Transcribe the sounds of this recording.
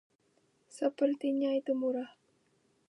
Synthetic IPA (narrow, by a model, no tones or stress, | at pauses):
səpərt̪iɲait̪umuɾah